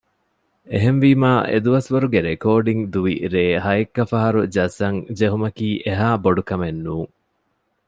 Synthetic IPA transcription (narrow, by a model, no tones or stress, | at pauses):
eɦenʋimaːʔḛd̪uʋɐsʋɐɾuɡeɾekoːɖiŋd̪uʋḭɾeːɦɐjekːɐfɐɦɐɾud͡ʒɐsɐŋd͡ʒeɦumɐkiːʔeɦaːboɖukɐmenːuːŋ